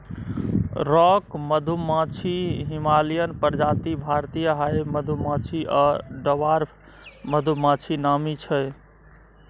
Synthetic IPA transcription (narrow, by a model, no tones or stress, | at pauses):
ɾɔkməd̪ʱumãt͡ʃʰiɦimalijənpəɾd͡ʒat̪ibʱaɾt̪ijəɦajməd̪ʱumãt͡ʃʰiʔaɖəʋaɾ | məd̪ʱumãt͡ʃʰinamit͡ʃʰəj